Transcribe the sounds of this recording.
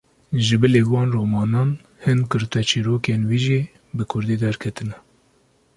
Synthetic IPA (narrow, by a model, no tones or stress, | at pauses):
ʒɨbɨleːvɑːnroːmɑːnɑːn | hɨnkɨɾt̪ɛt͡ʃiːɾoːkeːnwiːʒeː | bɨkʰʊɾd̪iːd̪ɛɾkʰɛt̪ʰɨnɛ